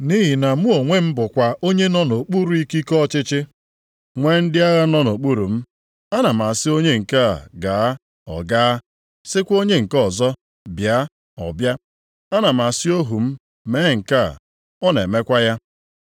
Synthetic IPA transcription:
ni˦ɦi˨na˨mu˦o˨ŋʷe˦m̩˦bʊ˨kʷa˨o˦ɲe˦nɔ˦no˨k͡pu˦ɾu˨i˦ki˦kɔ˦t͡ʃɪ˦t͡ʃɪ˦ | ŋʷe˦n̩˦dɪ˦a˦ɣa˦nɔ˦no˨k͡pu˦ɾu˨m̩˦ | a˦na˨m̩˨a˨sɪ˦o˦ɲe˦ŋ̩˨ka˦˨ɡaː˨a˦ | ɔ̰˨ɡa˦ | sɪ˦kʷo˦ɲe˦ŋ̩˨kɔ˨zɔ˦ | bja˨˦ | ɔ̰˨bja˦ | a˦na˨m̩˨a˨sɪ˦o˦ɦu˨m̩˦ | me˦ŋ̩˨ka̰˦˨ | ɔ˦ne˨me˦kʷa˦ja˦

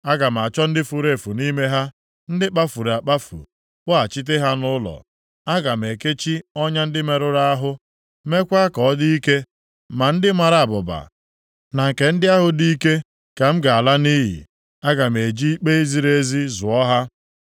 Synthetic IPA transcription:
a˦ɡa˨m̩˨a˨t͡ʃɔ˦n̩˦dɪ˦fu˨ɾe˨fu˨ni˦me˦ɦa˦ | n̩˦dɪ˦k͡pa˦fu˨ɾa˨k͡pa˦fṵ˨ | k͡pʊ˦a˨t͡ʃi˦t̬e˦ɦa˦nʊ˦lɔ̰˨ | a˦ɡa˨m̩˨e˨ke˦t͡ʃi˦ɔ˦ɲa˦n̩˦dɪ˦me˨ɾʊ˦ɾa˦a˦ɦʊ˦ | me˦kʷa˦kɔ˨˦di˦i˦ke˦ | ma˨n̩˦dɪ˦ma˨ɾa˨a˨bʊ˨ba̰˨ | na˨ŋ̩˨ke˨n̩˦dɪ˦a˦ɦʊ˨di˦i˦ke˦ | ka˨m̩˦ɡa˨a˨la˦ni˦ɦḭ˨ | a˦ɡa˨m˨e˨d͡ʒi˦i˦k͡pe˦e˦zi˦ɾe˦zi˦zʊ˨ɔ˦ɦa˦

